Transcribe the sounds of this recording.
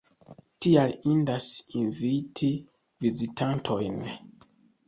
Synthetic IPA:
tialindasinvitʰi | vizitʰantʰojn

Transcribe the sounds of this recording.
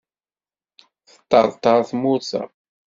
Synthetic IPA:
θə̥t̪ːɑ̰ɾˤt̪ˤːɑɾˤθmʊθɑ̰

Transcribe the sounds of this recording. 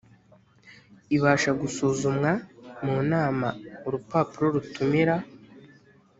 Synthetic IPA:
iβaːʃaɡusuːzumŋamuːnaːmauɾupaːpuɾo̞ɾutumiɾa

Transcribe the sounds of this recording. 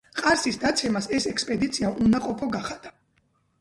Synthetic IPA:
qʼaɾsisd̪at̪sʰɛmasɛsɛkspʼɛd̪it̪sʰiaʔunaqʼɔpʰɔɡaχad̪̥a

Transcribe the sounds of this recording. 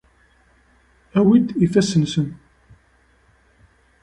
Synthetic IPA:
æwid̪ifæsənsən

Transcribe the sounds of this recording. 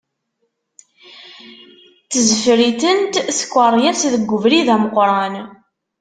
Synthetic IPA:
θəzəfɾiθənt̪sə̥kʷːəɾˤjæsðəɡʷːʊvɾiðæməqɾˤɑn

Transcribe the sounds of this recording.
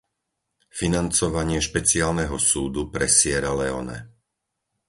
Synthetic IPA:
finant͡sɔʋaɲɪɛʃpɛt͡siaːlnɛɦɔsuːd̪upɾɛsɪɛɾalɛɔnɛ̰

